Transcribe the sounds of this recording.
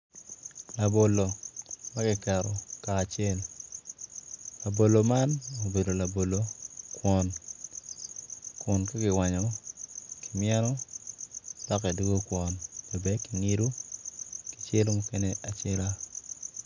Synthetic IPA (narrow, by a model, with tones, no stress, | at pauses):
la˨bo˨lo˨ma˦ɡɪ˨kɛ˨ɾɔ˨kaː˨t͡ʃje˦l | la˨bo˨lo˨ma˦no˨be˨do˨la˨bo˨lo˨kwɔ˨n | kwɔ˨nka˦ɡɪ˨wa˨ɲɔ˨ | kɪ˨mɪjɛ˦nɔ˦ | d̥ɔ˦kɛ˨du˦ɡo˦kwɔ˨nɛ˨bɛ˨˦ki˨ŋi˦ɾu˦ | ki̥˨t͡ʃe˦lmu˦ke˦nɛ˦ʔa˨t͡ʃe˦la˦